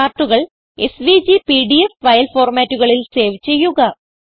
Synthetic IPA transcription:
aːrʈːuɣɐɭ | e̞̰sʋid͡ʑipiɖiefʋɐjɐlfo̞ːrmaːtːuɣɐɭilse̞ːʋit͡ɕːe̞jːuɣɐ

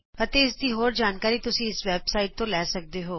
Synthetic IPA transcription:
pɐt̪eɪsd̪iːɦoːɾd͡ʒaːnkaːɾit̪ʊsĩɪsʋɛːbsaːɪʈ̚t̪õlɛːsɐk̚d̪eɦoː

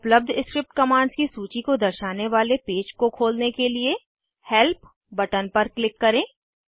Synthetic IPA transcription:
ʊpləb̚d̪ʱɪskɾɪp̚ʈkɐmaːɳzkisuːt͡ʃikod̪ɐɾʃaːneʋaːlepeːd͡ʒkokʰoːlnekelie | hɛlp̚ | bɐʈənpɐɾklɪkːɐɾẽː

